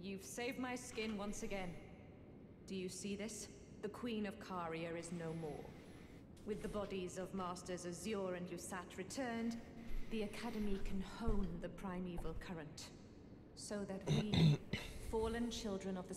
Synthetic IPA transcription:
jʉv̥seɪvd̚maɪskɪ̃nwʌ̃nsɨɡɛ̃n | d̥ɨjɨsiðɪs | ðɨkʰw̥ĩnʌv̥kʰɑɹiɨ˞ɨznoʊmɔ̰ɹ | wɨðɨbɑɾizʌvmɑˑstə˞zɨzjɔɹɨ̃njɨsæt̚ʰɹɨtʰɜ̃˞nðiɨkʰæɾɨmikʰɨ̃nhõʊ̃nðɨpʰɹ̥ãɪ̃mivl̩ˠkʰʌɹɨ̃nt | soʊðɨt̚wi | fɔɹlˠɨ̃nt͡ʃʰɪlˠdɹɨ̃nʌvðɨ

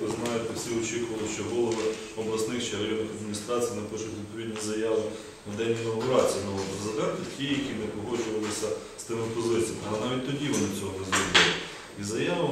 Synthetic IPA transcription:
ɪznɑjʊp̪ɐsʲiɔt͡ʃɪkʊʋɐlˠɪʃt͡ʃɔɦɔlˠɔʋɪ | ɔblˠɐsnɪxt͡ʃɛɐɾɐjɔnnɪxɐd̪̚mʲnʲist̪ɾɑt͡sʲijinɐpɔʃʊxʲʋʲidt̪̚pɔʋʲid̪ʲnʲijzɐjɑʋɪ | nɐd̪ɛnʲːinɐɐpɾɑt͡sʲijɐnɐʋɔpɾezɨd̪ɛnt̪ɪtʲijjɐkʲinɛpɔɦɔt͡ʃʊʋɐlˠɪsʲɐ | st̪ɪmɪpɔzɪtʲt͡sʲijɐmɐnɑʋʲit̚ʲt̪ɔdʲiʋɔnɪt͡sʲɔɦɔbɪzɾimɪlˠɪ | izɐjaʋɐ

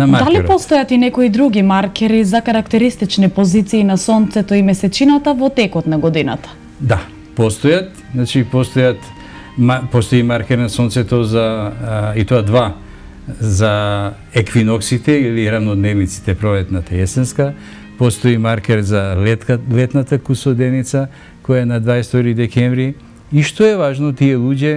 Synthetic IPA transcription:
namdad̪aliɾpɔst̪ɔjat̪inɛkoid̪ɾuɡimaɾkɛɾizakaɾakt̪ɛɾist̪it͡ʃnipozit̪siːnasɔnt̪sɛt̪ɔimɛsɛt͡ʃinat̪avɔt̪ɛkɔt̪naɡɔd̪ina̰t̪ḁ | d̪a | pɔst̪ɔjat̪̚ | znat͡ʃipɔst̪ɔjat̪ | mapɔst̪ɔimaɾkɛɾnasɔnt̪sɛt̪ɔza | it̪oad̪va | za | ɛkvinɔksit̪ɛiliɾavnɔd̪nɛvnit̪si̥t̪ɛpɾolɛt̪nat̪aɛsɛnska | pɔst̪oimaɾkɛɾzalɛt̪nat̪akusɔd̪ɛnit̪sa | kɔjaɛnad̪vaɛst̪ɔɾid̪ɛkɛnvɾi | iʃt̪oɛvaʒnɔt̪iɛlˠuɟɛ

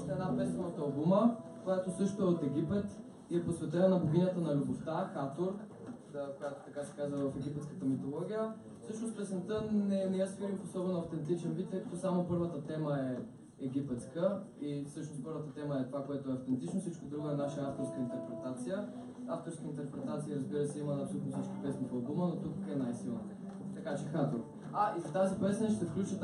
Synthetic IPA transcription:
st̪ɛd̪napɛsnovət̪əɐlˠbuməkojat̪osɤʃt̪oɛot̪ɛɡ̟ʲipɛt̪ | iɛposvɛt̪ɛnənɐboɡʲinʲət̪ənɐlʲuboft̪axat̪oɾ | əkojat̪o̥t̪ɐkasɛ̥kazvəvəfɛɡʲipɛt̪skə̥t̪əmit̪olˠɔɡʲijə | fsɤʃnospɛsɛnt̪ənɛnɛɛsfiɾifosɔbɛnʊɐft̪ɛnt̪it͡ʃɛnvit̪ːɛkət̪osamopɤɾvət̪ət̪ɛməɛ | ɛɡ̟ʲipɛt̪skəisɤʃnospɤɾvət̪ət̪ɛməɛt̪ovakoɛt̪oɛɐft̪ɛnt̪it͡ʃnosit͡ʃkod̪ɾuɡoɛnaʃəaft̪oɾskəint̪ɛɾpɾɛt̪at̪sijə | aft̪oɾskəint̪ɛɾpɾɛt̪at̪siəɾəzbiɾəsɛiməɐpsolut̪nosəʃt̪o̥pɛsnifɐlˠbumənot̪ukɛnajsilˠnə | t̪ɐkat͡ʃɛxat̪oɾ | aizt̪azipɛsʲnʃt̪ɛfklʲut͡ʃə

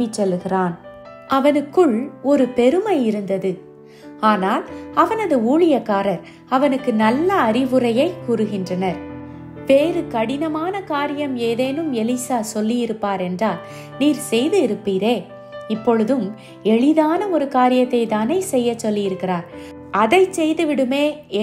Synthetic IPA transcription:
ɪt͡ʃːɔlːɯɣɪraːn | ɐʋɐnɯkːɯɭɔɾɯpɛɾɯmɐɪɪɾɯnd̪ɐðɯ | aːnaːlɐʋɐnɐðɯuːɭɪjɐkːaːɾɐɾ | ɐʋɐnɯkːɯnɐlːɐːɾɪʋɯrɐjɐɪkuːɾɯɣɪndrɐnɐɾ | ʋeːɾɯkɐɽɪnɐmaːnɐkaːɾɪjɐmeːðeːnɯmɛlisaːsɔlːijɪɾɯpːaːɾɛndraːl | niːɾsɛjðɯɪɾɯpːiːɾeː | ɪpːɔɻɯðɯm | ɛɭɪðaːnɐɔɾɯkaːɾɪjɐt̪ːɐɪt̪aːnɐɪsɛjːɐt͡ʃːɔlːɪjɪɾɯkːɪraːɾ | ɐðɐɪt͡ʃːɛjðɯʋɪɽɯmeː

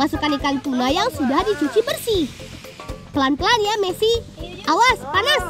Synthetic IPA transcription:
masukanikant̪unajaŋsudahdit͡ʃut͡ʃibərsih | pəlanpəlanjamesiʔawaspanas

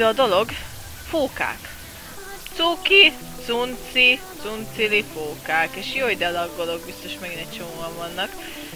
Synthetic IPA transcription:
ɒd̪o̞lo̞ɡ | foːka̰ːk | t̪suːki | t̪sunt̪sit̪sunt̪silifoːkaːkeːʃjojd̪ɛlɒɡolo̞ɡbist̪o̞ʃmɛɡinɛc̚t͡ʃomovɒɱvɒnːɒk

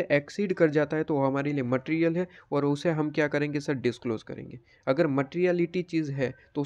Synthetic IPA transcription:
eʔɛːksiːɖkɐɾd͡ʒaːt̪aɦɛt̪oʋoɦɐmaːɾeliemɐʈiːɾijəlɦɛɔːɾʊseɦɐmkjaːkɐɾẽːŋɡesɐɖɪskloːzkɐ̰ɾḛ̃ːŋɡeː | ɐɡəɾmɐʈːɾijalɪʈit͡ʃiːzɦɛːt̪oʊ

